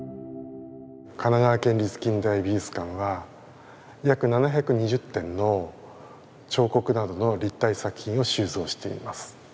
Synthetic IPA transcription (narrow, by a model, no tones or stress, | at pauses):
kananaβakẽ̞nʲɾʲit͡sɨ̥kʲĩnd̪aibʲiɯsɨ̥kãɰ̃βa | jakɯ̟nanaçʲakɯ̟ɲ̟iʑɨt̪ːẽ̞nːo̞ | t͡ɕo̞ːko̞kɯ̟nad̪o̞no̞ɾʲit̪ːaisakɯ̟̥çʲĩɰ̃o̞ɕɨːzo̞ːɕi̥t̪e̞ḭmasɨ̥